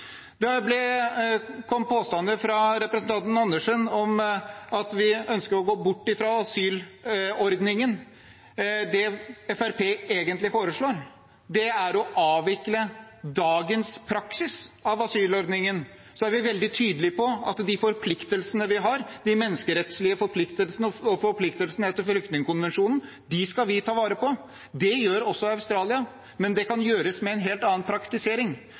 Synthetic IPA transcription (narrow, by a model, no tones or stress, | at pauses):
d̪ɛblɛ | kʰɔmːpʰoːst̪ɑnd̪əfɾɑɾɛpɾəsənt̪ʰɑnt̪n̩ɑnːəʂənɔmɑt̪ʋɪœnskəɾɔɡoːbʊʈːɪfɾɑɑsyːlɔɾd̪nɪŋən | d̪ɛɛfæɾpʰeːeːɡənt̪lɪfoːɾəʂɭoːɾ | d̪ɛæɾɔʔɑːʋɪkləd̪ɑːɡənspʰɾɑksɪsɑʋɑsyːlɔɾd̪nɪŋən | sɔæɾʋɪʋɛld̪ɪt̪ʰyːd̪əlɪpɔɑ̰t̪d̪ɪfɔɾpʰlɪkt̪əlsənəʋɪɦɑɾd̪ɪmɛnːəskəɾɛt̪slɪəfɔɾpʰlɪkt̪əlsənəɔɔfɔɾpʰlɪkt̪əlsənəɛt̪ːəɾflʏkt̪nɪŋəkʊnʋɛnʂuːnn̩ | d̪ɪskɑlʋɪt̪ʰɑːʋɑːɾəpɔ | d̪ɛjøːɾɔsːɔɑʉst̪ɾɑːlɪɑ | mɛnd̪ɛkʰɑnjøːɾəsmɛɛnɦeːlt̪ɑːənpʰɾɑkt̪ɪseːɾɪŋ